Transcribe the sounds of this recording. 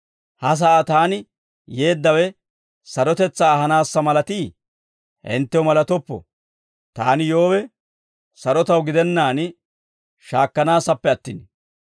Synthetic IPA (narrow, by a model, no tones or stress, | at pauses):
hɐs̬ɐʔat̪aːnɪ | je̞ːd̪ːɐwɛ | sɐɾɔt̪ɛt͡sːaːhɐnaːsːɐmɐlɐt̪iː | ʔɪ̰nt̪ːɛwmɐlɐt̪ɔpːɔ̰ | t̪aːnɪjo̞ːwɛ | sɐɾɔt̪ɐwɡɪd̪ɛnːaːnɪ | ʃaːkːɐnaːsɐpːɛɐt̪ːɪn